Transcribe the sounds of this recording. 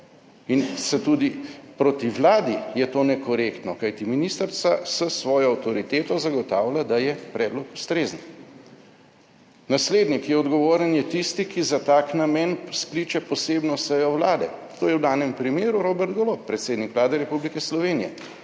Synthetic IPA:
insɛt̪ud̪ipɾot̪iʋlaːd̪ijɛt̪oːnɛkɔɾekt̪nɔkajt̪iminiːst̪əɾt̪sasəsʋɔːjɔːwt̪ɔɾit̪eːt̪ɔzaɡɔt̪aːwlʲad̪ajɛpɾɛːd̪lɔku̥st̪ɾeːzən | nasleːd̪nikjɛɔd̪ɡɔʋoːɾənjɛt̪ist̪ikizat̪aːknamɛnsklit͡ʃɛpɔseːbnɔsəjɔwlaːd̪ɛt̪oːjɛwd̪aːnɛmpɾimeːɾuɾoːbɛɾt̪ɡɔloːppɾɛt̪seːd̪nikʋlaːd̪ɛɾɛpublikɛslɔʋeːnijɛ̰

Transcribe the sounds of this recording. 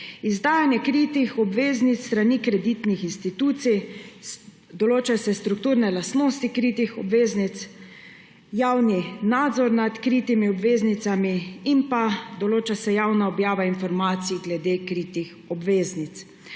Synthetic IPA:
izd̪aːjanjɛkɾiːt̪ixɔbʋeːznit̪sst̪ɾaniːkɾɛd̪it̪nixinst̪it̪uːt̪sij | d̪ɔloːt͡ʃasɛst̪ɾuk̚t̪uːɾnɛlast̪noːst̪ikɾit̪ixɔbʋeːznit̪s | jawninad̪zɔɾnat̪kɾiːt̪imiɔbʋeːznit̪samiimpad̪ɔloːt͡ʃasɛjawnaɔbjaːʋainfɔɾmaːt̪sijɡlɛd̪eːkɾiːt̪ix | ɔbʋeːznit̪s

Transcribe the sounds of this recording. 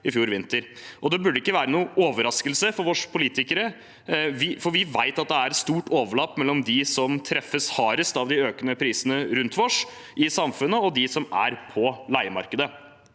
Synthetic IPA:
ɪfjuːɾʋɪnt̪əɾʔɔd̪ɛbʉɖəɪkːəʋæːɾənuːʔoːʋəɾɑskəlsəfɔɾʋɔʂpʰʊliːt̪ɪkəɾə | ʋɪfɔɾʋɪʋæɪt̪ɑt̪̚d̪ɛæɾɛst̪uːʈoːʋəɭɑːpːmɛlːɔmd̪ɪsɔmt̪ʰɾɛfːəshɑːɾəst̪ɑʋd̪ɪøːkənəpʰɾiːsənəɾʉnt̪ʋɔʂ | ʔɪsɑmfʉnːəɔd̪ɪsɔmæ̰ɾpʰɔlæɪmɑ̰ɾkəd̪ə

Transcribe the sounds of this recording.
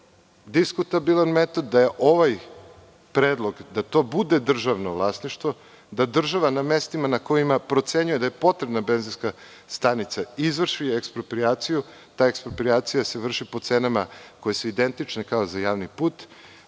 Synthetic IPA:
d̪iskut̪abilˠanme̞t̪o̞d̪ːaje̞ʔo̞ʋaj | pɾed̪lˠo̞ɡd̪at̪o̞bud̪ed̪r̩ʒaʋnoʋlˠaːsniʃt̪vʋo̞ | d̪ad̪r̩ʒaʋaname̞st̪imanako̞imapɾo̞t̪se̞ɲuje̞d̪ajepo̞t̪ɾebnabe̞nzinska | st̪anit̪saizʋr̩ʃiekspɾopɾiaːt̪siju | t̪aːekspɾopɾiaːt̪sijase̞ʋr̩ʃipo̞t̪senamako̞je̞suid̪e̞nt̪it͡ʃnekaozajaːʋnipuːt̪

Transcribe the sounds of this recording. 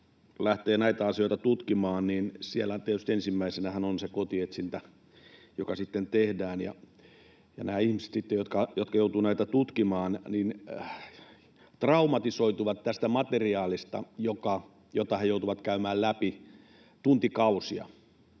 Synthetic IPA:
læht̪eːnæit̪æɑsijoˑit̪ɑt̪ut̪kimɑːnninsielːæt̪iet̪yst̪ensimːæisenæhænonsekot̪iet̪sint̪æ | jokɑsit̪ːent̪ehdæːnjɑ̰ | jɑ̰næːihmise̥t̪sit̪ːejot̪kɑjot̪kɑjout̪uːnæit̪æt̪ut̪kimɑːnnin | t̪rɑumɑt̪isoit̪uʋɑt̪t̪æst̪æmɑt̪eriɑːlist̪ɑ̰jokɑ | jot̪ɑhejout̪uʋɑt̪kæymæːllæpi | t̪unt̪ikɑusiɑ̰

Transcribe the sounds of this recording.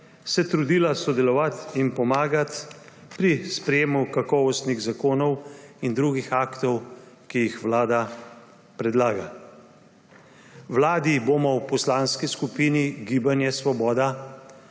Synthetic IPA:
sɛt̪ɾud̪ilasɔd̪ɛlɔʋat̪inpɔmaːɡat̪ | pɾispɾɛjeːmukakɔːʋɔst̪niɣzakoːnɔwind̪ɾuɡixaːkt̪ɔw | kijixʋlaːd̪a | pɾɛd̪laːɡa | wlaːd̪iboːmɔwpɔslaːnskiskupiːniɡiːbanjɛsʋɔbɔːd̪a

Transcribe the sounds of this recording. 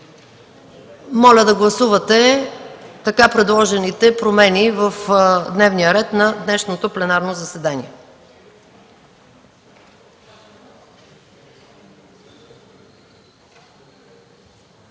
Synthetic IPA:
mɔlʲəd̪ɐɡlˠɐsuvɐt̪ɛ | t̪ɐkapɾɛd̪lˠɔʒɛnit̪ɛpɾomɛnivəfd̪nɛvnijəɾɛt̪nɐd̪nɛʃnot̪oplɛnaɾnozɐsɛd̪anḭɛ

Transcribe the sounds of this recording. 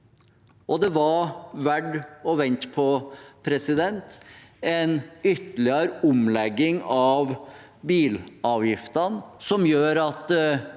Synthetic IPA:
ʔɔd̪ɛʋɑɾʋæɖɔʋɛnt̪pʰɔpʰɾɛsɪd̪ɛnt̪ɛnʏt̪ːəlɪəɾəʊmlɛɡːɪŋɑʋ | biːlɑːʋjɪft̪ɑnsɔmjøːɾɑt̪

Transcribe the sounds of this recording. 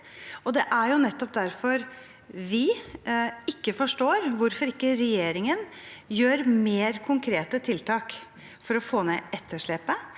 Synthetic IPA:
ɔd̪ɛʔæɾjʊnɛt̪ːɔp̚d̪æɾfɔɾ | ʋɪ | ɪkːəfɔʂʈoːɾʋʊɾfɔɾɪkːəɾɛjeːɾɪŋənjøːɾmeːɾkʰʊŋkʰɾeːt̪ət̪ʰɪlt̪ʰɑːk | fɔɾɔfoːneɛt̪ʰːəʂɭɛːpə

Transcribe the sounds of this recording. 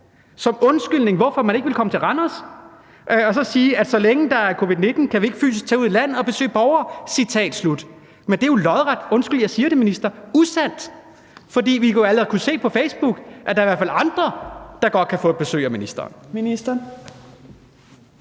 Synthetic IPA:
sɒ̽mɔ̽nsɡ̥ylne̝ŋʋɒfɒ̽mæne̝ɡ̥ʋelkʰɒ̽mət͡sʰe̝lʁanɒs | ʔɒ̽sɒ̽siːæd̥sɒ̽leŋəd̥ɑ̈æɐkʰo̝ːʋiðˠne̝d̥n̩kʰæʋie̝ɡ̥əfy̰ːs̬isɡ̥̚t͡sʰɛːuð̰ˠilæn̰ð̩ˠɒ̽b̥e̝sø̰ːb̥ɒʊɐːsit͡sʰɛ̰ːd̥slud̥ | mend̥ejo̝lɒðˠʁad̥ɔ̽nsɡ̥yljɑɪsiːɐɾe̝minisd̥ɐusæn̰d̥ | fɒ̽d̥ḭːʋioæləʁkuse̝̰ːpʰɒ̽feɪsb̥uɡ̥ʔæd̥ɑ̈ɐiʋæɐfælɑ̈nd̥ʁɐd̥ɑ̈ɡ̥ɒ̽d̥̚kʰæfɔ̰̥̽ːb̥e̝sø̰ːæminisd̥ɐ̰ːnminisd̥ɐ

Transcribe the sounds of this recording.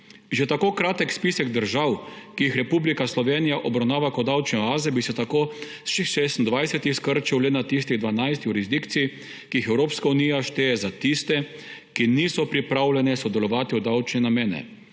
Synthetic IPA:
ʒɛt̪akoːkɾaːt̪ɛkspisɛɡd̪əɾʒawkijixɾɛpublikaslɔʋeːnijaʔɔbɾawnaːʋakɔd̪awt͡ʃnɛaːzɛbisɛt̪akoː | sʃixʃest̪nd̪ʋajsɛt̪ixskəɾt͡ʃiwlɛnat̪ist̪iɣd̪ʋanajst̪ijuɾizd̪ikt̪sii | kiixɛwɾoːpskaunijaʃt̪eːjɛzat̪ist̪ɛ | kiniːsɔpɾipɾawlʲɛnɛsɔd̪ɛlɔʋaːt̪iɔd̪awt͡ʃnɛnameːnɛ̰

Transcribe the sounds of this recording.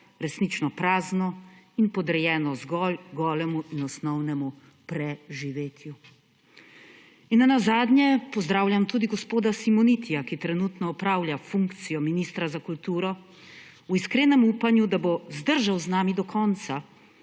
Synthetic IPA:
ɾɛsnit͡ʃnɔpɾaːznɔinpɔd̪ɾɛjɛːnɔzɡɔlɡɔːlɛmuʔinɔsnɔwnɛmu | pɾɛʒiʋeːt̪ʰju | inːanazaːd̪nɲjɛpɔzd̪ɾaːwljʲamt̪uːd̪iɡɔspoːd̪asimɔnit̪ijakit̪ɾɛnut̪nɔɔpɾaːwljafuŋkt̪sijɔminist̪ɾazakult̪uːɾɔ | uiskɾeːnɛmuːpanjud̪abozd̪əɾʒawznaːmid̪ɔkʰɔːnt̪sa

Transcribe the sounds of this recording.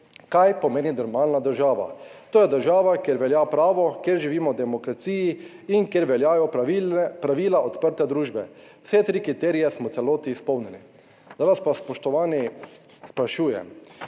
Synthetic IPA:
kajpɔmeːninɔɾmaːlnad̪əɾʒaːʋa̰t̪oːjɛd̪əɾʒaːʋakjeɾʋɛljapɾaːʋɔkjeɾʒiʋiːmɔwd̪ɛmɔkɾat̪siːji | iŋkjeɾʋɛljaːjɔipɾaʋiːlaɔt̪pəɾt̪ɛd̪ɾuːʒbɛ | w̥sɛt̪ɾikɾit̪eːɾijɛsmɔt̪sɛloːt̪iːspɔwnɛni | d̪aʋaspaspɔʃt̪ɔʋaːni | spɾaʃuːjɛ̰m

